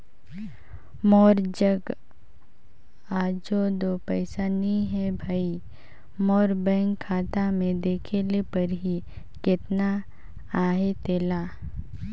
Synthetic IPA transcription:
mɔːɾd͡ʒəɡ | aːd͡ʒod̪oːpɛɪsanĩɦɛbʱaːi | mɔːɾbɛ̃ːŋkʰːaːt̪amẽd̪eːkʰelepɐɾɦi | kɪt̪na | aːɦet̪eːlaː

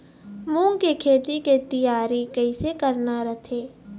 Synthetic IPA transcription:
mũŋkekʰeːt̪iket̪ɪjaːɾikɐɪsekɐɾnaɾɐt̪ʰeː

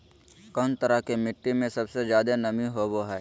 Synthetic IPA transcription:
kɔːnt̪əɾakemɪʈːimẽsɐbsezjaːd̪enɐmĩɦoboɦɛː

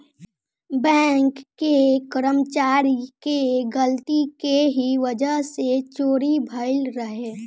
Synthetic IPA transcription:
bɛ̃ːŋkːekəɾəmt͡ʃaːɾikeɡəlt̪ikeɦiʋəd͡ʒəɦset͡ʃoːɾibʱəɪlɾəɦeː

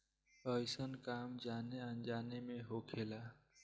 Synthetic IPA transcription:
əjsənkamd͡ʒaneənd͡ʒanemẽɦokʰela

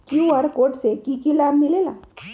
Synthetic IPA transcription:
kjuʋaɾkoːʈsekikilabmɪlela̰

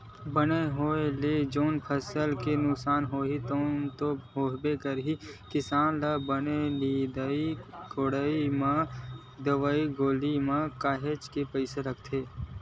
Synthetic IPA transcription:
bəneɦoːeled͡ʒoːnpʰəsəlkenʊksaːnɦoːit̪oːnt̪oɦoːɦbekəɾɦikɪsaːnlabənelid̪əikʰoɽəimã | d̪əʋaːiɡoːlimãkaːɦet͡ʃkepəɪseɾəkt̪ʰeː

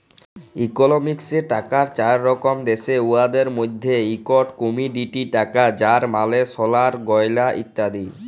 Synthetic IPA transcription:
ikonomikseʈakaɾt͡ɕaɾːɔkomd̪eʃeuad̪eɾmod̪ʱːeikɔʈkomiɖiʈiʈakad͡ʑaɾmaleʃɔlaɾɡɔjlaʔḭt̪ːad̪i

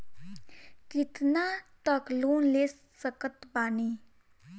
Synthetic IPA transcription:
kit̪nat̪əklunlesːəkət̪bani

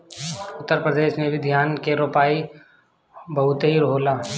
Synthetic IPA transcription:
ʊt̪ːəɾpɾəd̪eːʃnebʱid̪ʱjaːnkeɾoːpaːi | bɐɦʊt̪ɦiɾɦoːlaː

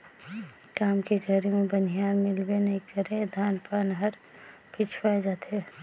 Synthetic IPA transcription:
kaːmkeɡʱəɾimẽbənijaːnmɪlbenɐɦĩkəɾẽd̪ʱaːnpaːnɦəɾ | pʰit͡ʃʰpaed͡ʒaːt̪e

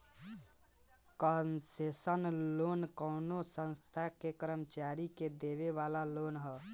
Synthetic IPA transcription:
kənsesənlonkəʊnosə̃nst̪ʰakekɾəmət͡ʃaɾiked̪eβeβalalonɦə

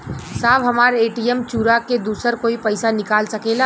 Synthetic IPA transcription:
saːbɦɐmaːɾeːʈijɛmt͡ʃuːɾaked̪uːsəɾkoːipəɪsanɪkaːlsɐkeːla

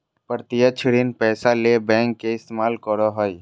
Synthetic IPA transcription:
pəɾt̪ɪjət͡ʃʰɪɽinpɛːsalebɛ̃ːŋkːeɪst̪emaːlkɔɽoɦəj

